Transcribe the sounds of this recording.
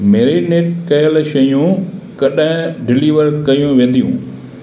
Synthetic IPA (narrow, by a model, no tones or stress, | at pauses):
meːɾineːʈkɐjəlʃɐjũkɐɗɪ̃ɖɪliːʋəɾkɐjũʋẽːnd̪ijṵ̃ː